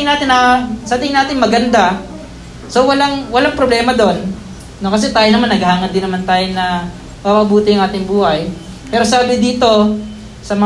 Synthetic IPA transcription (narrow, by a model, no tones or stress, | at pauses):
ŋnaːt̪ɪnʔɐsad̪ɪɪŋnaːt̪ɪŋmɐɡɐnd̪a | sowɐlaŋwɐlaŋpɾoblɛːmɐd̪o̞nː | okɐs̬ɛt̪aːjonɐmanːɐɡhaːŋɐnd̪ɪnːɐmant̪aːjonɐ | pabɐbuːt̪ɪjɐŋʔaːt̪ɪŋbuːhɐj | pɛːɾosaːbɪd̪iːt̪o̞ | sɐmɐ